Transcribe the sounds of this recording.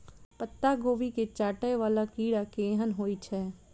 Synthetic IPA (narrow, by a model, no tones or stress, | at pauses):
pət̪ːaɡoːʋiket͡ʃaːʈəjʋaːlakiːɽakeɦənɦoːit͡ʃʰɛː